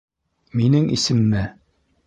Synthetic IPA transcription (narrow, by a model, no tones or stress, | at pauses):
minɘŋʔḭsɘ̆mːɘ